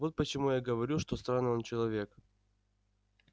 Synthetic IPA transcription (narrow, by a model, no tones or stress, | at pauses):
vo̞t̪̚pət͡ɕɪmujaɡəvɐɾʲuʂt̪ost̪ɾanːont͡ɕɪlˠɐvʲe̞k